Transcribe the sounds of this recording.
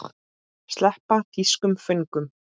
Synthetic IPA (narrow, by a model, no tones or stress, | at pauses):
χt̪ | st̪lɛhpat̪ʰiskʏmfʏŋkʏm